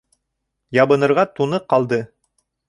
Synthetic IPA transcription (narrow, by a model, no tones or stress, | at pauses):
jɑβɤ̆nɤ̆ɾʁɑt̪unɤqɑlˠd̪ɤ